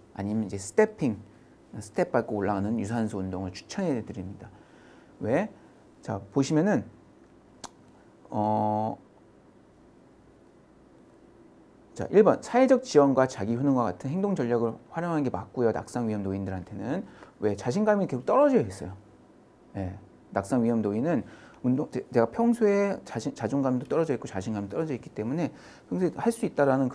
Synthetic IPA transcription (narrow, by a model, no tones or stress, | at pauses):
a̰ɲimjʌnid͡ʑe̞sʰɯ̥tʰe̞pʰiŋ | sʰɯ̥tʰe̞p̚p͈aɭk͈oːɭːaɡanɯnjus̬ʰansʰoːndoŋɯɭt͡ɕʰu̥t͡ɕʰʌnedɯɾimɲida | we̞ | t͡ɕapoɕʰimjʌnɯn | ʌ | t͡ɕa̰ʔiɭbʌnsʰae̞d͡ʑʌk̚t͡ɕiwʌnɡwat͡ɕaɡiɸunɯnɡwak͈atʰɯnɦeŋdoŋd͡ʑʌʎjaɡɯɭɸwaɾjʌŋɦanɡe̞ma̰k͈̚ujona̰k̚s͈aŋɥiɦʌmdoindɯɾɦantʰe̞nɯnwe̞t͡ɕaɕ̬ʰinɡamike̞sʰo̥k̚t͈ʌɾʌd͡ʑʌis͈ʌjo | je̞ | nak̚s͈aŋɥiɦʌmdoinɯnundoŋt͡ɕet͡ɕe̞ɡapʰjʌŋsʰoe̞t͡ɕaɕʰit͡ɕad͡ʑoŋɡamidot͈ʌɾʌd͡ʑʌik͈ot͡ɕaɕʰinɡamit͈ʌɾʌd͡ʑʌik͈i̥t͈e̞mune̞ | keŋsʰeihaɭs͈uit̚t͈aɾanɯnk